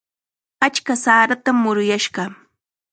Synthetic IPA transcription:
at͡ʃkasaːɾat̪amːʊɾʊjaʃɢɑ

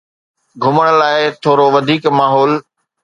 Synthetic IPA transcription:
ɡʱʊməɽ̃̆laːɪt̪ʰoːɾoʋɐd̪ʱiːkmaːɦɔːl

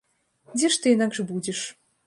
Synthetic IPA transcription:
d͡zʲɛʂt̪ɨɛnaɡʐɨbud͡zʲeʂ

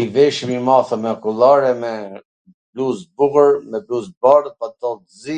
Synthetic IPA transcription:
ivɛʃmimaθəmɛɔkulˠaɾɛmɛ | bluzbuɣəɾmɛbluzbarpat̪ɔlt̪zi

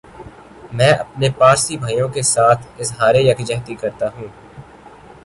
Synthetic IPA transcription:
mɛ̃ːʔɐpnepaːɾsibʱaːijõkesaːt̪ʰɪzɦaːɾejɐkd͡ʒɛɦt̪ikɐɾt̪aɦũː

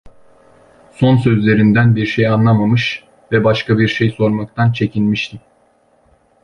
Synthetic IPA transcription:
so̞nsøzlʲe̞ɾind̪ænbiɾʃejanlˠamamɯʃ | vɛbaʃkabiɾʃe̞jso̞ɾmak̚t̪ʰant͡ʃʰe̞cʰinmiʃt̪ʰim

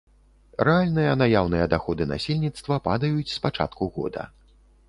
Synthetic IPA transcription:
rɛalʲnɨjɐnajawnɨjɐd̪axɔd̪ɨna̰sʲilʲnʲit̪st̪vɐpad̪ɐjut͡sʲspat͡ʂa̰t̪kuɣɔ̰d̪ɐ̰

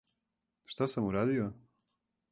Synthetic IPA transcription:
ʃt̪asɐmuɾaðjɐ

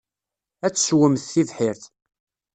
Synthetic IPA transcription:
æt͡sːswəmθθivħɪɾθ

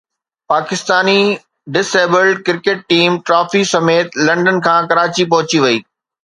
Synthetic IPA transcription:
paːkɪst̪aːni | ɖɪseːbəlɖkɪɾkeːʈ̚ːiːmʈɾaːfisɐmeːt̪lɐ̃ɳɖənkʰãːkɐɾaːt͡ɕipɐɦʊt͡ɕiʋɐiː

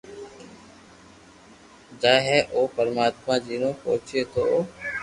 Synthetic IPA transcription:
d͡ʒaːɦɛːʔoːpəɾmaːt̪mãːd͡ʒiːnõːpoːt͡ʃeːt̪ʰoː

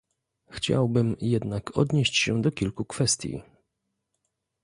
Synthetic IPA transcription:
xt͡ɕa̰wbɘmjɛd̪nakʰɔ̰d̪ɲeɕt͡ɕɕɛd̪ɔkʲilkukfɛst̪ʲjḭ

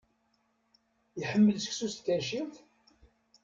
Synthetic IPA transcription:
jəħəmːəlsə̥ksust̪kːæʃilθ

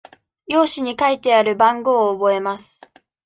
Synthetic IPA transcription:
jo̞ːɕiɲ̟ikait̪e̞aɾɯ̟bãŋɡo̞ːbo̞e̞masɨ̥

